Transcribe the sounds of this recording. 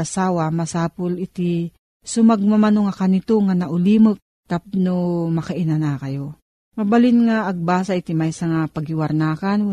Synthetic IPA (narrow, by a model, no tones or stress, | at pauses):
asaːwamɐsaːpʊlɪt̪i | sʊmɐɡ̚mamanoŋakanɪt̪oŋanaʔʊlimɨk̚t̪ap̚nomɐkaʔɪnanakɐjo | mɐbalɪnŋaʔːɡ̚baːsaɪt̪ɪmajsaŋapɐɡɪwɐɾnaːkanw